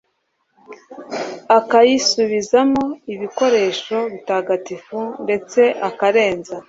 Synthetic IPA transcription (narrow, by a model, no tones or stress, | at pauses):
akajisuβizamo̞iβiko̞ɾe̞ːʃo̞βitaːɡatifunde̞t͡se̞ʔakaɾe̞ːnza